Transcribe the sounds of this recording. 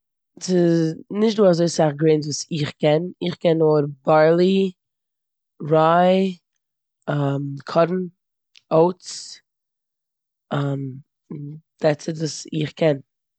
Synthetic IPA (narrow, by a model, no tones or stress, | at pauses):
sɪznɪʃt̚duːazoɪsaχɡɾeːntvuːsɪχkʰɛnɪχkɛnoɾbaɹlˠi | ɾaɪ | amkʰɔɾn̩ | oʊs | ʔam | d̥asɪdəsɪχkʰɛn